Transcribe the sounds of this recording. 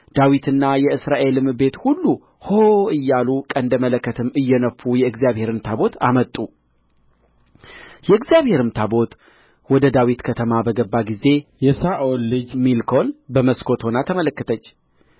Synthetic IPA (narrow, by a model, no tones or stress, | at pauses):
d̪̥awit̪ʰɨnːajɛɨsɾaʔe̞lɨmɨbe̞t̪hulːu | hoʔɨjːalukʼənd̪əmələkːət̪ʰɨmːɨjːɛnəfːujɛɨɡzjaβhe̞ɾɨmt̪ʰabo̞t̪ʰa̰mət̪ʼːu | jɛɨɡzijaβhe̞ɾɨmt̪ʰabo̞t̪ | wɔd̪əd̪awit̪kʰət̪ʰəmabəɡəbːaɡize̞jɛsaʔolːɨd͡ʒmilkʰo̞lbəməskʰo̞t̪ho̞nat̪ʰəmələkːət̪ʰət͡ʃː